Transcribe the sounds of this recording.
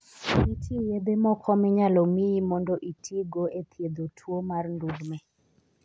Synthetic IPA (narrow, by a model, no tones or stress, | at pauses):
itijed̪emɔkʰɔmɪɲalɔmiimɔndɔʔitʰiɡoet̪ʰjed̪otʰwomarnduɾmɛ